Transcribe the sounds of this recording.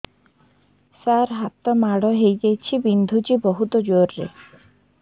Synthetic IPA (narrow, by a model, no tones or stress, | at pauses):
saɾɦat̪ɔmaɽɔɦejd͡ʒajt͡ʃʰibind̪ʱut͡ʃibɔɦut̪ɔd͡ʒoɾːḛ